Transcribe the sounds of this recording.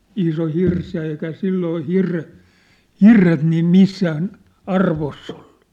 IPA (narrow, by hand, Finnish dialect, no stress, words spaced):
iso hirs jɑ eikæ silːoː hirːe hirːet niːm misːæːn ɑrʋosː o̥l̥ːu̥